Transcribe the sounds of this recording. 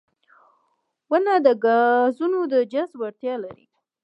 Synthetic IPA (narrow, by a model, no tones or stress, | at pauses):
wənad̪əɡɑzunod̪əd͡ʒazwaɽt̪jɑlaɾḭ